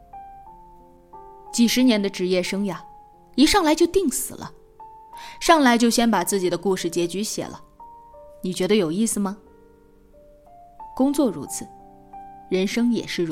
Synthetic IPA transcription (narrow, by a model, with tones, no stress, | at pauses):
t͡ɕi˨˩ʂɻ̩˧˥njɛ˧˥nd̪ə˧ʈ͡ʂɻ̩˧˥jɛ˥˩ʂɤ˥ŋja˨˩ | i˧˥ʂɑ˥˩ŋla˧˥ɪt͡ɕjo˥˧ʊt̪i˥˩ŋsɹ̩˨˩lʔə̰˦ | ʂɑ˥˩ŋla˧˥ɪt͡ɕjo˥˩ʊɕjɛ˥npa˨˩t͡sɹ̩˥˩t͡ɕi˨˩d̪ə˦ku˥˧ʂɻ̩˥˩t͡ɕjɛ˧˥t͡ɕy˧˥ɕjɛ̰˨˩lʔə̰˦ | ni˨˩t͡ɕɥɛ˧˥d̪ə˧jo˨˩ʊi˥˩sɹ̩˩mɐ˩ | kʊ˥ŋt͡swɔ˥˩ɻṵ˧˥t͡sʰɹ̩˨˩˦ | ɻə˧˥nʂɤ˥ŋjɛ̰˨˩ʂɻ̩˥˩